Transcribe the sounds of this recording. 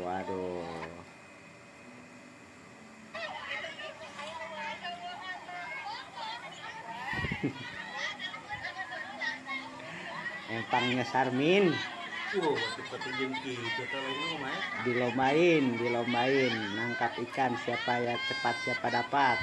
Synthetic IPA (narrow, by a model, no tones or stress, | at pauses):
wado | ɛp̪aŋɲasarmin | uhwat̪upət̪ud͡ʒuŋk̪id͡ʒat̪alainomajadilombaɪndilombaɪnnaŋkapikansiapajat͡ʃəpat̪̚siapadapat̪̚